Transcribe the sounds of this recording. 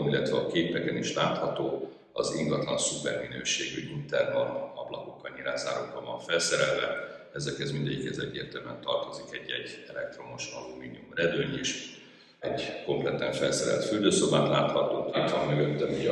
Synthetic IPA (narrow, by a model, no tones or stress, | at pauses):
milːɛt̪vɛɒkeːpɛkɛniʃlaːt̪hɒt̪oː | ɒziŋɡɒt̪lɒnsupɛrminøːʃeːɡoɟint̪ɛrnɒɒblɒko̞kːɒlɲiɾaːzaːɾoːkɒvɒɱfɛlsɛɾɛlvɛ̰ | ɛzɛkɛzmind̪ɛɟikhɛzɛɟːeːrt̪ɛlmɛnt̪ɒrt̪o̞zikɛɟːɛɟɛlɛk̚t̪ro̞moʃɒlumiːniumrɛd̪øɲeːʃ | ɛɟko̞mplɛt̪ɛɱfɛlsɛɾɛ̰lt̪fyld̪øːso̞baːt̪laːt̪hɒt̪oːit̪vɒmːøɡøt̪ːɛmi